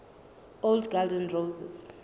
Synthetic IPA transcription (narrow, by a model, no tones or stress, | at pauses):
oldɡaldɛ̃nrowzɛz̥